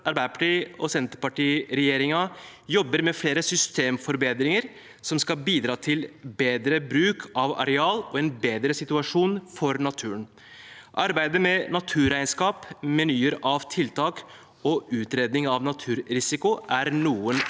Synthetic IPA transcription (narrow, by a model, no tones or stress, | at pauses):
ʔɑɾbæɪəpʰɑʈiːɔsɛnt̪əɾpɑʈiːɾɛjeːɾɪŋɑ | jɔbːəɾmɛfleːɾəsʏst̪eːmfɔɾbeːd̪ɾɪŋəɾ | sɔmskɑbiːd̪ɾɑːt̪ʰɪlbeːd̪ɾəbɾʉːkʰɑʋɑ̰ɾɛɑːlɔɛnbeːd̪ɾəsɪt̪ʉɑʂuːnfɔɾnɑt̪ʰʉːɾən | ʔɑɾbæɪd̪əmɛnɑt̪ʰʉːɾæɪnskɑːpmɛnyːəɾɑʋt̪ʰɪlt̪ʰɑːk | ɔʉːt̪ɾeːd̪nɪŋɑʋnɑt̪ʰʉːɾɾɪsɪkʊʔæɾnuːən